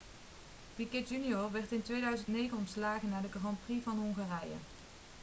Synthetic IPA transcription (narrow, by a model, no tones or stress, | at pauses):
pikɪtjyniɔɹʋɛɹtɪntʋejdœɥzəntnejɣənɔmslaːɣənaːɹdəkaʁɑnprivɑnɦɔŋχaːrɛjə̰